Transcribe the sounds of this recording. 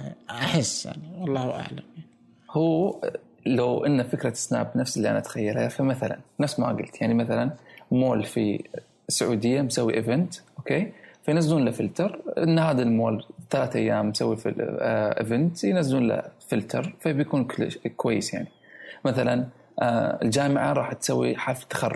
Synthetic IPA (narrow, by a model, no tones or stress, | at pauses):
ʔaħɪsːʔa̰nawɑlˤːɑːhʔa̰ʕlama | huː | lawʔɪnːafɪkɾˤɑɪ̥sna̰ːbnafsɪlːiʔa̰naʔt̪xajːalhafamaθala̰nːafsma̰ɡɪlt̪jaʕnimaθalanmoːlfḭ | sʊʕuːd̪ɪjːamsawːiʔɪvɪnt̪ʔokeːfajnazːuːnlafɪlt̪ɑɾˤʔɪnːhaːðalmoːlt̪ːalaːt̪ʔajːaːmːsawːifʔɪ̰vɪnt̪jnazːuːnla̰fɪlt̪ʰɑɾˤfabjakuːnkkwajːɪsja̰ʕni | maθalan | ɪ̰ld͡ʒaːmɪʕaɾˤɑːħt̪sawːḭħaft̪ːḁxɑrˤːʊ